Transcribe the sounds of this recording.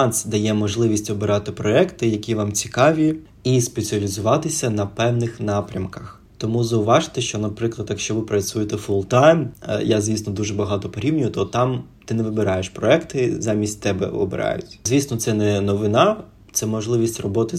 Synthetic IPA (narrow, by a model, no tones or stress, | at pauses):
ɑnsd̪ɐjɛmɔʒlˠɪʋʲisʲtʲɔbɪɾɑt̪ɪpɾɔɛkt̪ɪjɐkʲiʋɑmt͡sʲi̥kɑʋʲi | ispet͡sʲiɐlʲizʊʋɑt̪ɪsʲɐnɐpɛwnɪxnɑpɾʲɐmkɐx | t̪ɔmuzɐʊʋɑʒɪ̥t̪ɛʃt͡ʃɔnɐpɾɪklˠɐd̪jɐkʃt͡ʃɔʋɪpɾɐt͡ssʲujet̪ɛfʊlˠt̪ajnjazʲʋʲisnɔd̪uʒɛbɐɦɑt̪ɔpɔɾʲiwnʲʊjʊt̪ɔt̪ɑmt̪ɪnɛʋɪbɪɾɑjeʃpɾɔɛkt̪ɪzɑmʲisʲtʲt̪ɛbɛ̰ɔ̰bɪ̰ɾɑ̰jʊ̰tʲzʲʋʲisnɔt̪sɛnɛnɔʋɪnɑ | t̪sɛmɔʒlˠɪʋʲisʲtʲrɔbɔt̪ɪ